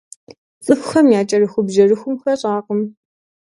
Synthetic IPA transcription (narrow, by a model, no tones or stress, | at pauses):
t͡sʼɨfxɐmjaːt͡ʃʼɐrɨxʷʊbʒɐrɨxʷʊmxɐɕʼaːqəm